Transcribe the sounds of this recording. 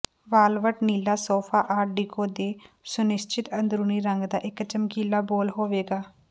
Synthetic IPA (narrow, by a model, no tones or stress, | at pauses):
ʋaːlʋəʈniːlaːsoːpʰaːʔaːɖiːkoːd̪eːsʊnɪst͡ʃɪt̪ənd̪ɾuːniːɾəŋɡd̪aːʔɪkət͡ʃəmkiːlːaːboːlɦoːʋeːɡaː